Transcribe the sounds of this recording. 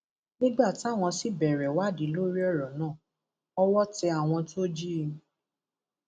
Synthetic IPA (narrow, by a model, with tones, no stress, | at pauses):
nĩ˦ɡ͡ba˦˨ti˨˦a˦˨w̃ɔ̃˧si˦bɛ˨ɾɛ˨wa˦˨di˨˦lo˦ɾi˦ɔ˦˨ɾɔ˨nãː˦˨ | ɔ˦wɔ˦tɛ˧a˨w̃ɔ̃˧to˦d͡ʒi˦˧